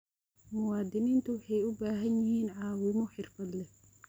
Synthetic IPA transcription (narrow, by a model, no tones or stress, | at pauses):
mʊwaːd̪ɪniːnt̪ʰʊwʊħɛjʊbaːɦɐnjɪhiːnʕɑːwɪmɔħɪrfɐd̪lɛ